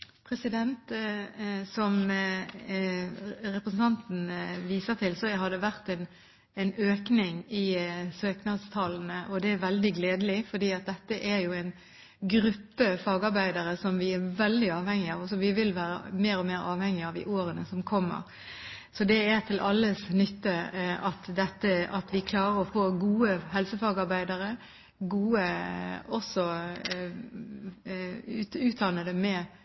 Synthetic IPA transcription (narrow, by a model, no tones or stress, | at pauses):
pʰɾɛsɪd̪ɛnt̪ | sɔm | ɾɛpɾəsn̩t̪ʰɑnt̪n̩ʋiːsəɾt̪ʰɪlsɔhɑd̪ɛʋæʁt̪ɛn | ɛɪnøːknɪŋɪsøːknɑd̪st̪ʰɑːln̩əʔɔd̪ɛæɾʋɛld̪ɪɡleːd̪əlɪfɔd̪iːɑt̪̚d̪ɛt̪ːəʔæɾjʊɛɪn | ɡɾʉpːəfɑːɡɑɾbæɪd̪əɾəsɔmʋɪæɾʋɛld̪ɪɑːʋhɛŋːɪɑʋɔsɔʋɪʋɪlʋæːɾə̰meːɾɔmeːɾɑːʋhɛŋːɪɑʋd̪ɪ̰ʔoːɾənəsɔmkʰɔmːə̰ɾ | sɔd̪ɛæt̪ʰɪlʔɑlːəsnʏt̪ːəʔɑt̪d̪ɛt̪ːəɑt̪ʋɪkʰlɑːɾəɾɔfoːɡuːəɦɛlsəfɑːɡɑɾbæɪd̪əɾə | ɡuːəɔsːɔ | ʉːt̪̚d̪ɑnəd̪əmɛ